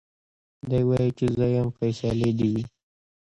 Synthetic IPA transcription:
d̪ajwajit͡ʃezəjamfajsaled̪iwi

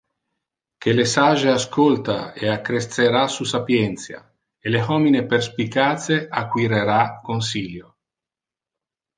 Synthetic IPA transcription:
kelesaʒeaskʰolt̪aeakːɾest̪seɾasusapjɛnt̪sja̰ | eleɦɔmineperspikat̪seakwiɾeɾakonsiljo

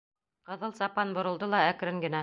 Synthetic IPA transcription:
qɤ̆ðɤlˠsɑpɑnbŏɾɤ̆lˠd̪ɤlˠɑækɾɘŋɡɘ̆næ

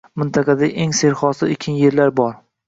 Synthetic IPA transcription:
mɪnt̪ʰɑqɑd̪aʔeŋse̞ɾχɒsɪekʲʰɪnjeɾlaɾbɒɾ

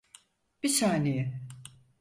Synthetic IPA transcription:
b̥isaːnejɛ

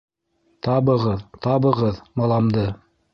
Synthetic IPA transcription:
t̪ɑβɤ̆ʁɤðt̪ɑβɤ̆ʁɤðmɑlˠɑmd̪ɤ

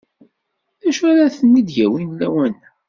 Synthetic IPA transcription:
ðæʃʊɾaθənːid̪jæwinlæwən

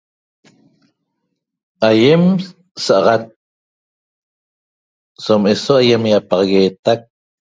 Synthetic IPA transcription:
ajem | saʔɑʁat̪̚ | some̞soaje̞mjaʔpɑʁɑɣeːt̪ak̚

